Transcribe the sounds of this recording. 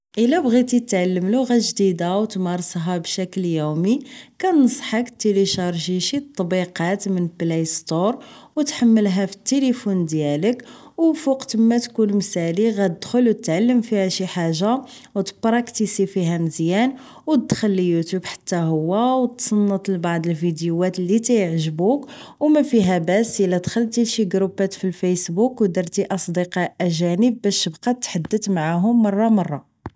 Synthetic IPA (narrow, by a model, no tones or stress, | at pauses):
ʔəlæbɣit̪it̪ʕalːəmluɣæʒd̪id̪awt̪mɑɾˤsˤɦæbʃækljumikænəsˤħəkt̪ːeliʃɑɾˤʒiʃit̪ˤːbiqɑt̪mənblejst̪oɾˤwt̪ħamːəlɦæfi̥t̪ːelifund̪jæləkwfuqt̪əmːæt̪kunmsæliɣæt̪əd̪̥xʊlwt̪t̪ːʕalːəmfihæʃiħaʒːa | wt̪bɾˤɑkt̪isifiɦæməzjæn | wt̪d̪xəlːijut̪jubħḁt̪ːæɦʊwːæwt̪sˤɑnːət̪ˤəlbɑʕd̪ˤəlfid̪juæt̪lːit̪æjəʕʒbukwmæfiɦæbæsəlæd̪xəlːt̪iʃiɡɾupæt̪filfæjsbukwd̪ɑɾˤt̪iʔɑsˤd̪iqɑʔæʒænəbbæʃəbqɑt̪ːħad̪ːət̪maʕaɦʊmːɑrˤːɑmɑrˤːɑ